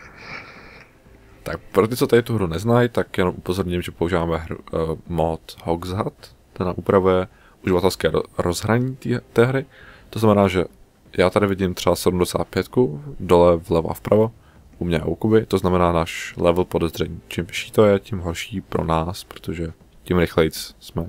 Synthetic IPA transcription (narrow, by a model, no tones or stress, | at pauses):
t̪ak̚pɾot̪ɪt͡sot̪adɪt̪uɦɾunɛznajt̪akjɛnomʔupozoɾɲɪmʒɛpouʒivaːmɛɦɾṵmot̪hoɡzɦat̪ | d̪ɛna̰ʔupɾavujɛ | ʔuʒɪvat̪ɛlskɛːɾozɦɾaɲiːt̪ɛːɦɾɪt̪oznamɛnaːʒɛ | jʔaːt̪adɪvɪɟɪmt̪r̥ɛbasɛdumdɛsa̰ːt̪̚pjɛt̪kudolɛvlɛvoʔa̰fpɾʔavo | ʔumɲɛ̰ukubɪt̪oznamɛnaːnaːʃlɛvl̩po̞dɛzr̝ɛɲiːt͡ʃɪmvɪʃiːt̪ojɛcɪmɦoɾʃiːpɾo̰naːspɾot̪oʒɛ | cɪmɾɪxlɛjt͡ssmɛ